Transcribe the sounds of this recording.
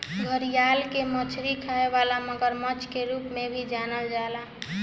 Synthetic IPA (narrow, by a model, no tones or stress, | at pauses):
ɡʱəɾijalkemət͡ʃʰɾikʰaeʋalaməɡəɾmət͡ʃʰkeɾupmebʱid͡ʒanəld͡ʒala